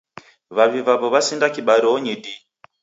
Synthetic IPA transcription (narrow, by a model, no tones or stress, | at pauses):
ʋaβiʋaβoʋasindakiɓaɾioɲidi